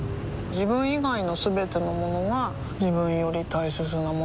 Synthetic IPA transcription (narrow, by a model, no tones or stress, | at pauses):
d͡ʑibɯ̟̃ɰ̃iɡaino̞sɨbe̞t̪e̞no̞mo̞no̞ɡa | d͡ʑibɯ̟̃ɰ̃jo̞ɾʲit̪aise̞t͡sɨnamo